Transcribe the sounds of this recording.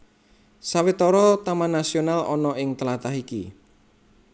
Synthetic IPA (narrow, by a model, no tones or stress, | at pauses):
sawɪt̪ɔɾɔt̪amanasionalɔnɔɪŋt̪əlat̪aɦikḭ